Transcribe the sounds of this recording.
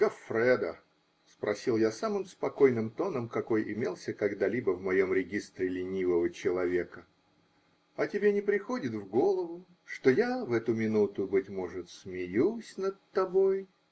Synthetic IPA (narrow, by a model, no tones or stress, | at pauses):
ɡ̥ɐfɾɛd̪ə | spɾɐsʲilˠjasamɨmspɐko̞jnɨmt̪o̞nəmkɐko̞jʔɪ̰mʲe̞lˠsʲəkɐɡd̪alʲibəvmɐjo̞mɾʲɪɡʲist̪ɾʲɪlʲɪnʲivəvət͡ɕɪlˠɐvʲe̞kə | ɐtʲɪbʲenʲɪpɾʲɪxo̞dʲɪt̪vɡo̞lˠəvʊ | ʂt̪ojavɛt̪ʊmʲɪnut̪ʊbɨtʲmo̞ʐɨt̪smʲɪjusʲnət̪ːɐbo̞j